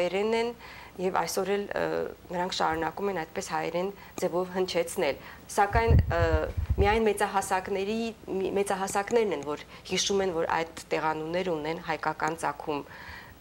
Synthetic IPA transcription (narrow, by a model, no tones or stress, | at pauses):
ɛɾɛnɛnjɛvɑ̰jsɔɾɛl̰nəɾɑŋkʰʃɑ̰ɾunɑkumɛnɑjt̪̚pɛshɑɛɾɛn | d͡zɛvɔvɦənt͡ʃʰɛt͡sʰnɛlsɑkɑjn | mijɑjnmɛt͡sɑɦɑsɑknɛɾimɛt͡sɑɦɑsɑkn̪ɛɾnɛnvɔɾ | hiʃumɛnvɔɾɑ̰jd̪ːɛʁɑnunɛɾəunɛnɦɑjkɑkɑnt͡sɑkʰum